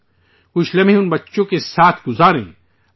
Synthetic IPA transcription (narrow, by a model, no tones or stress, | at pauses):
kʊt͡ʃʰlɐmẽʊnbɐtːʃõkesaːt̪ʰɡʊzaːɾḛ̃ː